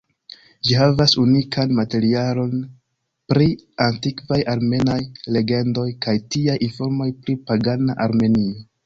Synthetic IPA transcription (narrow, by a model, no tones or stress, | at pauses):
d͡ʒiɦavasunikʰanmate̞ɾialo̞n | pɾiantikvajaɾme̞najle̞ɡe̞ndo̞jkajtiajinfo̞ɾmo̞jpɾipaɡanaʔaɾme̞nio